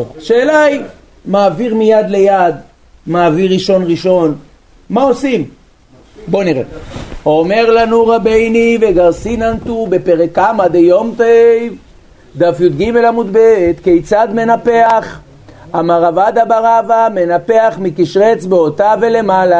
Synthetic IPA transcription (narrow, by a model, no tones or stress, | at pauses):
ʃeːlaj | maːviʁmijad̪le̞jad̪ | maːviʁiʃo̞nʁiʃo̞n | mao̞sim | bo̞niʁḛome̞ʁlanuʁabejnive̞ɡaʁsinant̪ube̞pe̞ʁekamad̪ejo̞mt̪ejv | d̪afjud̪ɡime̞lamud̪bet̪kejt͡sad̪me̞nape̞aχ | amaʁavad̪abaʁavame̞nape̞aχmikiʃʁe̞t͡sbeot̪ave̞le̞mala